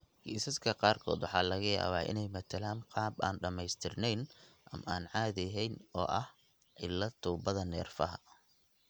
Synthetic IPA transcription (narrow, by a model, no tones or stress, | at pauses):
hiːsɐskʰɐqɑːrkʰɔ̰ːd̪wɑħɑːlɐɣɐja̰ːβaːʔɪ̰nɛjmɐt̪ʰɐlɐnqʰɑːbaːnɖɐmɛjst̪ʰɪrnɛjnʔɐmʔaːnʕɑːðɪɦɛjnɔ̰ːʔɐh | ʕɪlːɐt̪ʰuːbɐðɐnɛ̰ːrfɐɦɐ̰